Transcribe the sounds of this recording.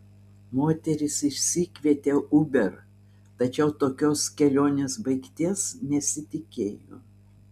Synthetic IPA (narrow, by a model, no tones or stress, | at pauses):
moːt̪ʲɛɾʲɪsɪʃʲsʲiːkʲʋʲiɛt̪ʲeːʊbʲɛɾ | t̪ɐt͡ʃʲɛʊt̪oːkʲoːskʲɛlʲoːnʲeːsbɐɪkt̪ʲiɛsnʲɛsʲɪt̪ʲɪkʲeːjo̰ː